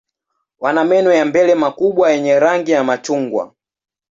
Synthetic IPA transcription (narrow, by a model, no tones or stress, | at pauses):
wanamɛnɔjambɛlɛmakuɓwajɛɲɛɾaŋɡijamat͡ʃuŋɡwa̰